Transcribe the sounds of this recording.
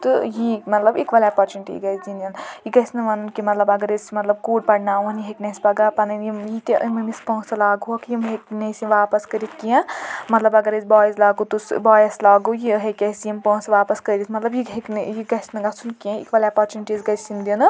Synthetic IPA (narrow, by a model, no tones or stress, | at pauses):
t̪ɨjimɐt̪lɐbḭkʋɐlapɐɾt͡ʃuniʈḭɡɐsd̪inɐnjiɡɐsnɨʋɐnɨnkimɐt̪lɐbɐɡɐɾesmɐt̪lɐb̚kuːɖpɐɽnaːuniɦeknɐspɐɡapɐnjijit̪iʔmɐmispɔ̃ːsɐlaːɡuokjimɦeknesiʋaːpɐskɐɾit̪ʰkiẽmɐt̪lɐbɐɡɐɾesbaːjzlaːɡut̪usbaːjɐslaːɡujiɦɐkʲɐsijɐmpɔ̃ːsʋaːpɐskɐɾʲit̪ʰmɐt̪lɐbjieknjiɡɐsnɨɡɐt͡sʰunkiɐ̃ḭkʋɐlapɐɾt͡ʃuniʈizɡɐsind̪inɨ